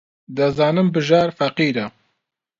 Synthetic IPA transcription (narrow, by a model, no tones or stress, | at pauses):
d̪ɐzɑːnɨmbɨʒɑːɾfɐqiːɾɐ